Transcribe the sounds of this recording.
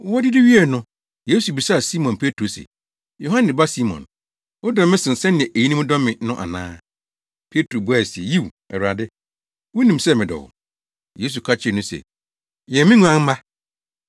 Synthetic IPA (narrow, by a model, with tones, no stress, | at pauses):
wɔ˦dɪ˦dɪ˦ɥi˦ɛ˨nʊ̃˦ | je˦su˨bi˨sa˦˨si˦mɔ̃˨npʰe˦tʰɾo˨sɛ̰˨ | jo˨ɦã˦nɪ̃˨ba˦si˦mɔ̰̃˨n | wʊ˦dɔ̃˨mːɪ̃˦sɪ̃˨n̩˨sɛ˦nɪ̃˨ɛ̃˨ʔe˨ji˦nĩ˦m˦dɔ̃˦mːɪ̃˨nʊ̃˦ʔa̰˨nã̰ː˦ | pʰe˦tʰɾo˨bu˦a˦˨si˨e˨ji˦w | ɛ˨wɾa˨dɪ˦ | wʊ˦nĩ˨msɛ˦˨mɪ̃˨dɔ̰˨wʊ̰˨ | je˦s̬u˨kʰa˦t͡ɕʰɪ˦˨nʊ̃˦sɛ̰˨ | jɛ˨mɪ̃˦ŋũ˦ã˦ŋ̩˦mã˦